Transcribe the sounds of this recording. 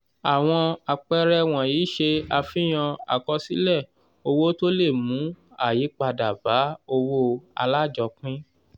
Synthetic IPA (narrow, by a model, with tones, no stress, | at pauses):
a˨w̃ɔ̃˧a˨k͡pɛ˦ɾɛ˦w̃ɔ̃˨jiː˨˦ʃe˧a˧fĩ˦j̃ɔ̃˧a̰˨kɔ˧si˦lɛ˦˨ | o˧wo˦to˦le˦˨mũ˨˦a˦˨ji˨˦k͡pa˧da˨ba˨˦o˧wo˦a̰˧la˦˨d͡ʒɔ˧k͡pĩ˦